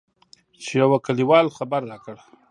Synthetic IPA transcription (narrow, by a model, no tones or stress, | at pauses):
t͡ʃejawakaliwɑlxabaɾːakəɽ